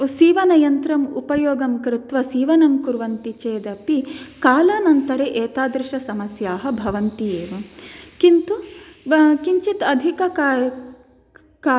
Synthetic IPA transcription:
siːʋɐnɐjɐnt̪ɾɐmupɐjoːɡɐmkɾɪt̪ʋɐsiːʋɐnɐmkuɾʋɐnt̪it͡ʃeːd̪ɐpikaːlɐnɐnt̪ɐɾeʔeːt̪aːd̪ɾɪʃɐsɐmɐsjaːɦɐbʱɐʋɐnt̪ijeːʋɐkint̪u | kiɲt͡ʃit̪ɐd̪ʱikɐkː | kaː

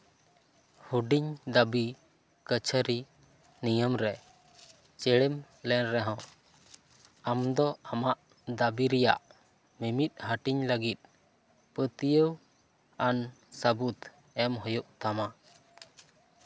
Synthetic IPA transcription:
huɖiɲd̪abi | kət͡ʃʰəɾi | nijəmɾɛ | t͡ʃɛɽɛm | lɛnɾɛɦɔ̃ | amd̪ɔamaʔ | d̪abiɾɛja̰ʔ | mimit̪̚ˀhəʈiɲləɡit̪̚ | pət̪ijəw | an | səbut̪ | ɛmɦɔjuʔt̪ama

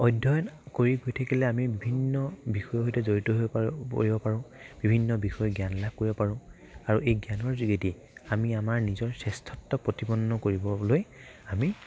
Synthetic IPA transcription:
ɔjdʱɔjɔnkoɹiɡojtʰakilɛamibibʱinːɔbixɔjɔɦojtɛzoɹitɔɦo̰ɹibɔpaɹʊ̃b̥ibʱinːɔbixɔjɔɡjanlakoɹibɔpaɹʊ̃ | aɹuʔejɡjanɔɹziɡeti | amiamaɹnizɔɹsɛstʰɔtːɔpɹotibɔnːɔkoɹibɔlojami

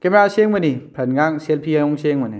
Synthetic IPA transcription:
kemɾaseŋmɐnipʰɾɐnɡaŋselpʰiajɔŋseŋmɐni

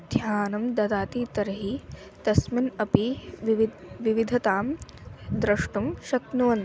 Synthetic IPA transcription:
d̪ʱjaːnɐmd̪ɐd̪aːt̪iːt̪ɐɾɐɦi | t̪ɐsminɐpiʋʋʋiʋid̪ʱɐt̪aːmd̪ɾɐʂʈumʃɐknuʋɐn

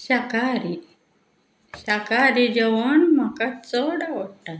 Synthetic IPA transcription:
ɕakaɾi | ɕakaɾid͡ʑəʋəɳm̤akat͡səɽaʋəɽʈa

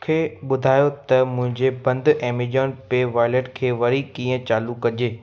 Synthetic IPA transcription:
kʰeːɓʊd̪ʱaːjot̪ɐmʊ̃ɦɪ̃ɲd͡ʑebɐ̃nd̪ɛːmid͡ʑəːnpeːʋaːɪleʈkʰeːʋɐɾikiːə̃t͡ɕaːlukːɐd͡ʑeː

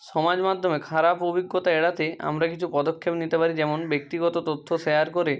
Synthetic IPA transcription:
ʃɔmad͡ʑmad̪ʱːomekʰaɾapobiɡːot̪aeɽat̪ea̰mɾakit͡ɕʰupɔd̪okʰːebnit̪epaɾid͡ʑɛmonbek̚t̪iɡɔt̪ot̪ot̪ʰːoʃeaɾkoɾe

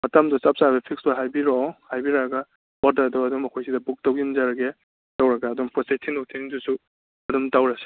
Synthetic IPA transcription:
mɐtamdɔsap̚sabepʰik̚sbaɦajbiɾɔhajbiɾaɡa | wɔtadɔɐdɔmːɐkʰojsidɐbuk̚tawɡinzaɾɐɡe | tawɾɐɡaːdɔmpʰɔsejtʰinɔtʰiŋdusu | ɐdumtawɾase̥

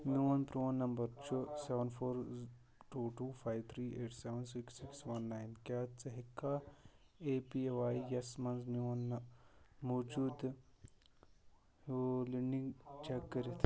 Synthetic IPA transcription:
njuɐnpɾoːnːɐmbəɾt͡ʃosɛʋənfʰoːɾ | ʈuːʈuːfʰaːjt̪ʰɾiːeːʈsɛʋəns̬iksiksʋɐnːaːjnkʲaːt͡sɐɦikːa | eːpieʋaːijɐsmɐnznjuɐn | moːd͡ʒuːd̪ | liɖĩŋɡt͡ʃɛkːəɾit̪ʰ

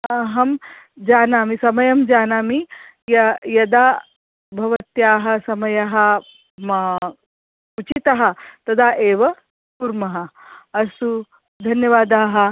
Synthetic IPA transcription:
ɐɦɐm | d͡ʒaːnaːmisɐmɐjɐmd͡ʒaːnaːmi | jɐjɐd̪aː | bʱɐʋɐt̪jaːɦɐ̆sɐmɐjɐɦɐ̆ | mɐ | ut͡ʃit̪ɐɦɐ̆t̪ɐd̪ʰʱaːʔeːʋɐ | puɾmɐɦɐ̆ɐsu | d̪ʱɐnjɐʋaːd̪aːɦɐ̆

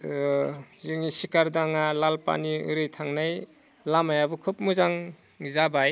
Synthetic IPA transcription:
zɯŋisikaɾdaŋalalpa̰niɯ̰ɾɯjtʰaŋnaj | lamajabɯkʰɯp̚muzaŋ | zabaj

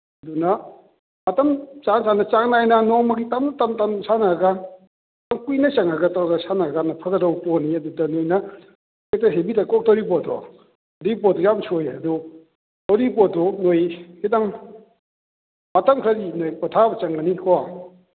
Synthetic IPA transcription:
ɐdunɐ | mɐtɐmt͡ʃansanɐt͡ʃaŋnajnɐnɔŋmɐɡitamnɐtamtamsʰanaɡa | taŋkujnɐt͡ʃɐŋaɡɐtawɡasʰanaɡanɐpʰɐɡɐdɐwpɔniɐdudɐnojnɐ | ketaɦebitakɔk̚tɐwɾip̬ɔtɔ̰ | dipɔdujamsʰojɐdu | tɐwɾipɔtɔnojhidaŋ | mɐtɐmkʰɾaɾinojkɔtʰabɐt͡ʃɐŋɡɐnikʰɔa

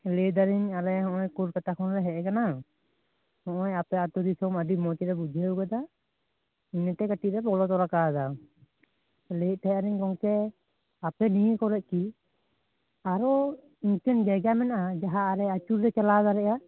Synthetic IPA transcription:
led̪aɾiɲalɛhɔ̃ʔɔjkuɾkat̪akʰɔnɾɛɦɛʔɛkana | hɔ̃ʔɔjapɛat̪ud̪isɔmədimɔtɛɾɛbud͡ʒʱɛwkɛd̪a | iɲɛʈɛkaʈiɾɛpɔlɔt̪̬ɔɾakad̪a | let̪̚ˀt̪ʰajaɾiɲkɔŋtɛ | apɛnijɛkɔɾɛʔ̚ˀki | aɾɔ | iɲt͡ʃɛnd͡ʒaɡamɛnaʔad͡ʒaɦaːɾɛat͡ʃuɾːɛt͡ʃalad̪aɾɛʔa

